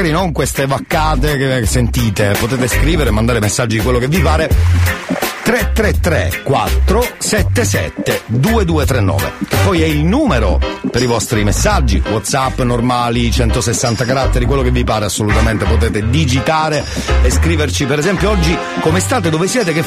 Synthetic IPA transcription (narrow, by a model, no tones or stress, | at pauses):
aːɾinoŋkwest̪evakːaːt̪ekesent̪iːt̪epot̪ɛːt̪eskɾiːveɾeːmːand̪aːɾemesːad͡ʒːid̪ikwelːokevːipaːɾe | t̪ɾet̪ːɾet̪ːɾḛkwa̰t̪ːɾosɛt̪ːesɛ̰t̪ːed̪uːed̪uːet̪ɾenːɔ̰ːvḛk̟epːɔjɛilnuːmeɾo̰peɾivɔst̪ɾimesːad͡ʒːḭwɔt̪sapːnormaːlit͡ʃɛnt̪osesːant̪akaɾat̪ːeɾikwelːokevːipaːɾeasːolut̪ament̪epot̪ɛːt̪ed̪id͡ʒit̪aːɾe | eskɾiːvert͡ʃipeɾɛzɛmpjoɔd͡ʒːi | komest̪aːt̪ed̪ovesjɛːt̪eke